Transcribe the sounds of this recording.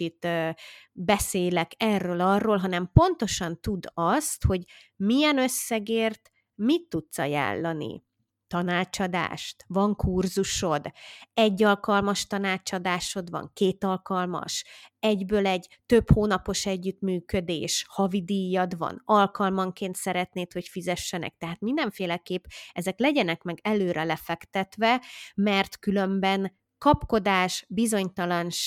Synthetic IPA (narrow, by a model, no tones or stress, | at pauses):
it̪øbɛseːlɛkɛrːøːlɒrːoːlɦɒnɛmpo̞nt̪o̞ʃɒnt̪ud̪ɒst̪ho̞ɟ | mijɛnø̞sːɛɡeːrt̪ | mit̪ːut̪sɒja̰ːlːɒnḭ | t̪ɒnaːt͡ʃɒd̪a̰ːʃt̪vɒŋkurzuʃo̞d̪ɛɟːɒlkɒlmɒʃt̪ɒnaːt͡ʃɒd̪aːʃo̞d̪vɒ̰ŋkeːt̪ɒlkɒlmɒ̰ʃɛɟbøːlɛɟt̪ø̞phoːnɒpo̞ʃɛɟːyt̪myːkø̞d̪eːʃhɒvid̪ijːɒd̪vɒ̰nɒlkɒlmɒŋkeːnt̪sɛɾɛt̪neːt̪ho̞cfizɛʃːɛnɛ̰k̚t̪ɛɦaːt̪mind̪ɛɱfeːlɛkeːpɛzɛklɛɟɛnɛkmɛɡɛløːɾɛlɛfɛkt̪ɛt̪ʋɛmɛrt̪kylø̞mbɛn | kɒpko̞d̪aːʃbizo̞ɲt̪ɒlɒnʃ